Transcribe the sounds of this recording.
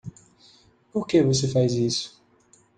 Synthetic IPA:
poɾkevosefajzisʊ̥

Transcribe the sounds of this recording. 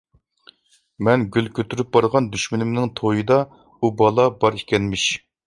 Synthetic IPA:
mɛnɡʲylkʲʰøt̪ʰyɾyp̚bɑɾʁɑnd̪yʃmɪnɪmnɪŋt̪ʰojɨd̪ɑ | ubɑlˠɑbɑɾekʲʰɛnmɪʃ

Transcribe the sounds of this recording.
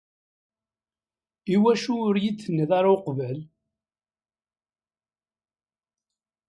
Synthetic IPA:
iwæʃuʊɾjit͡sːənːəðaɾawqvəl

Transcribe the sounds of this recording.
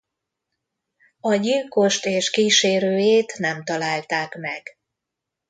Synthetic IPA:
ɒɟilko̞ʃt̪eːʃkiːʃeːɾøːjeːt̪nɛmt̪ɒlaːlt̪aːkmɛɡ̥

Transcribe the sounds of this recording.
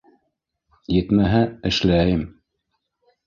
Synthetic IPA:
jɘ̆t̪mæɦæɘ̆ʃlæjɘm

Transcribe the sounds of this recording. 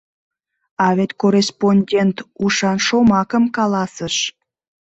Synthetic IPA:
ɑβet̪koresponʲdʲent̪uʃɑnʃomɑkəmkɑlɑsəʃ

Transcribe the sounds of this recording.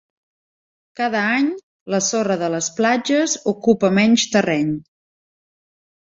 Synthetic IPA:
kaðəaɲ | ləsorəðələsplad͡ʒəzukupəmɛɲʲt͡ʃt̪ərɛɲ

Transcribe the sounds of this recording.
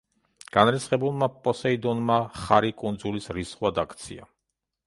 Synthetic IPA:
ɡ̥anɾɛt̪sʰχɛbulˠmapʼɔsɛid̪ɔnmaχaɾikʼund̪zulisɾisχwad̪akʰt̪sʰia̰

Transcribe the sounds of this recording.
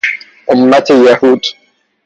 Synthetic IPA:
ʔʊmːat̪ajːahuːd̪

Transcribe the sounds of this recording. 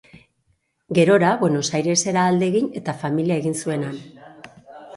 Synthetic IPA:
ɡe̞ɾo̞ɾaβwe̞no̞sajɾe̞se̞ɾaːld̪e̞ɣine̞t̪afamiliae̞ɣinsue̞nan

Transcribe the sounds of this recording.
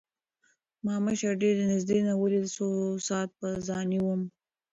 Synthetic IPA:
mɑməʃaɾɖeɾd̪ənɪzd̪enawəlid̪əsosɑːt̪̚pəzɑniwəm

